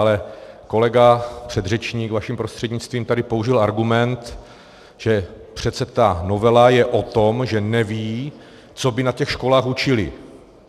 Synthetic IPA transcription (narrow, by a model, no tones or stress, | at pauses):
alɛko̞lɛɡapr̝̥ɛd̪rɛt͡ʃɲiːkvaʃimpɾost̪r̥ɛdɲɪt͡st̪viːmt̪adɪpo̞uʒɪlaɾɡumɛnt̪ | ʒ̥ɛpr̝̥ɛt̪sɛt̪ano̞vɛlajɛʔo̞t̪omʒɛnɛviː | t͡so̞bɪnacɛxʃko̞laːxut͡ʃɪlɪ̰